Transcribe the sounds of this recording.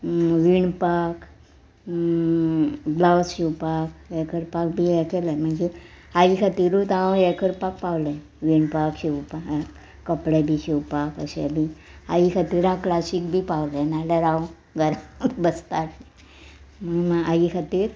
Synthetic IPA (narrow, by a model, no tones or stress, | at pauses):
ʋiɳpak | blawɕiwpakɛkʰəɾpak̚bʱiɛkɛləjm̤əɳd͡ʒe | aikʰat̪iːɾut̪ãjɛkʰəɾpak̚pawlə | ʋiɳpakɕiwpa | kəpɽebʱiːɕiwpakə̰ɕḛbʱiaikʰat̪iɾãklasik̚bʱiːpawlənalaɾãw | ɡʱəɾatbəst̪aʈne | məmaaikʰat̪iːɾ